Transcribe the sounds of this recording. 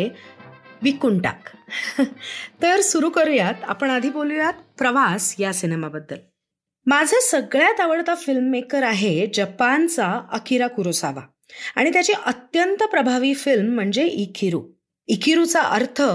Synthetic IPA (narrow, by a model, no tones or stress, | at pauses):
e | ʋikuɳʈa̰k | t̪əɾsuɾuːkəɾjat̪a̰pəɳ̃ad̪ʱipoljat̪pɾəʋasjasinemabəd̪ːəl | mad͡zʱəsəɡɭjat̪aʋəɽt̪afilmːekəɾaɦed͡ʑəpant͡saəkʰiɾakuɾosa̰ʋa̰ | a̰ɽ̃it̪jat͡ɕiʔət̪jənt̪əpɾəbʱaʋiːfilm̤ːəɳd͡zeʔikiɾu | ikiɾut͡saʔəɾt̪ʰə